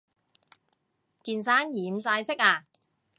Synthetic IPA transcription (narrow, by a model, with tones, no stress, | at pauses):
kiː˧nsaː˥njiː˨m̩saː˧jsɪ˥k̚aː˧